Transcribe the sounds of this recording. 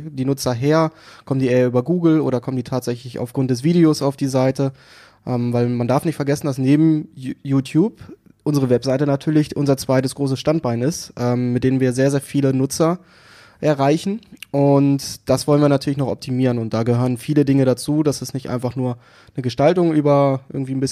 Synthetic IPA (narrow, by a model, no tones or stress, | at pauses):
d̥iːnʊt͡sɐɦeːɐkʰɔmtdiːʔeːɐʔyːbɐɡuːɡl̩ʔo̰ːɾɐkʰɔmənd̥iːtʰaːtz̥ɛçlɪça̰ʊfɡ̥ʁʊnt̚d̥ɛs̬v̥iːdeoːsaʊfd̥iːzaɪtə | ʔɛːmvaɪlmandaɐfnɪçtfɛɐɡɛsn̩das̬neːbm̩juːtʰjuːp | ʔʊnzəʁ̞əvɛpz̥aɪtənatʰyːɐlɪçʔʊnzɐt͡sv̥aɪtəsɡ̥ʁoːsəsʃtant̚b̥aɪnɪstʔɛːmːɪtdeːnənviːɐzeːɐzeːɐfiːlənʊt͡sɐ | ʔɛɐʁaɪçn̩ʔʊntd̥asv̥ɔlənviːɐnatʰyːɐlɪçnɔχɔ̰p̚tʰimiːʁənʊnt̚d̥aːɡəhøːʁənfiːlədɪŋəɾat͡suːdasɛsnɪçtʔa̰ɪnfaχnuːɐ | nəɡəʃtaltʊŋʔyːbɐʔɪ̰ɐɡŋ̩tv̥iːnbɪs